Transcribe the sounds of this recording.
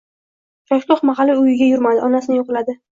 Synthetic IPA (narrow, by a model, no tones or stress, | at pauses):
ʃaʃloχmɑɦɑlːɪʊjɪɡʲajʊɾmad̪ɪʔɒnasɪnɪjoqlad̪ɪ